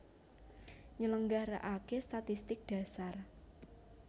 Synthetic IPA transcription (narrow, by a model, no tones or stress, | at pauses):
ɲələŋɡaɾaʔakest̪at̪ist̪ɪk̚d̥ä̤sar